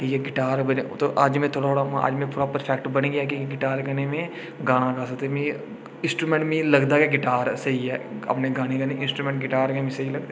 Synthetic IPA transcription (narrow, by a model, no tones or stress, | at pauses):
kijeɡɪʈaːɾbənet̪oʔəd͡ʒmẽt̪ʰoːɽaoːɽãə̰d͡ʒmẽpʊːɾapəɾpʰɛːkʈbənɡɪjakiɡɪʈaːɾkənemẽ | ɡãːɽ̃akaːsək̚d̪emẽ | ɪ̃nsʈɾuːmẽɳʈmĩːləɡd̪aːkeɡɪʈaːɾsəɦiɛːə̰pneɡaːɽ̃ekənẽɪ̃nsʈɾuːmẽɳʈɡɪʈaːɾkemẽːsəɦiləɡd̪e